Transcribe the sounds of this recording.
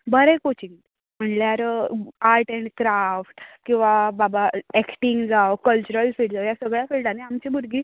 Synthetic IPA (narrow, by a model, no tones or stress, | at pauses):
bəɾɛ̃kot͡ɕiŋ | m̤əɳljaɾaɾʈəɳʈkɾafʈkĩw̃ʋababaɛkʈiŋɡd͡zawkəlt͡ɕuɾəlfiɽd͡zawjasəɡɭjafilɖaneamt͡ɕibʱuɾɡiː